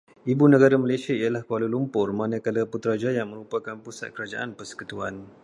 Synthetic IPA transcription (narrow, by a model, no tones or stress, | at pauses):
ibunə̃ɡaɾaməlesiaijalahkəwalulumpʊrmãnãkalaput̪ɾad͡ʒajaŋmə̃ɾupakanpusa̰t̪̚kəɾad͡ʒa̰ʔanpərsə̥kut̪uan